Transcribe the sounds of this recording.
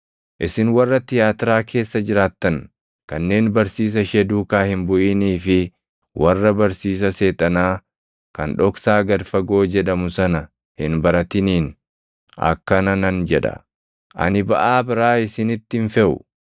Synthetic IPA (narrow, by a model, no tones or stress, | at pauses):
ʔɪsɪnwɐrːɐt̪ɪjaːt̪ɪɾaːkʰe̞ːsːɐd͡ʒɪɾaːt̪ːɐn | kɐnːe̞ːnbɐɾsiːs̬ɐʃɛd̪uːkaːhɪmbʊʔɪniːfɪ | wʔɐrːɐbɐɾsiːs̬ɐse̞ːt̪ʼɐnaː | kɐnᶑɔksaːɡɐɾfɐɡo̞ːd͡ʒɛᶑɐmʊsɐnɐ | hɪnbɐɾɐt̪ɪniːn | ɐ̰kːɐnɐnɐnd͡ʒɛᶑɐ̰ | ʔɐ̰nɪbɐʔaːbɪɾaːɪsɪnɪt̪ːɪnfɛʔʊ̰